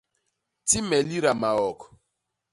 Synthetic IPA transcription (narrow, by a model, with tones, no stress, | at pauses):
ti˦mɛ˨li˦ɾa˨ma˨ɔ˨kɔ̥˨